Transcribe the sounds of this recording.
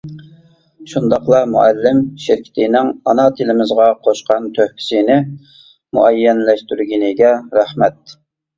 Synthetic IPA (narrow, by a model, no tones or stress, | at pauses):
ʃund̪ɑχqlˠɑmṵælːɪmʃɪɾkʲʰi̥t̪ʰɪnɪŋɑnɑt̪ʰɪlɪmɪzʁɑqʰoʃqɑnt̪ʰøhpʰɪ̥sinɪ | muɛjːɛnlɛʃt̪yɾɡʲinɪɡʲɛɾæhmɛt̪̚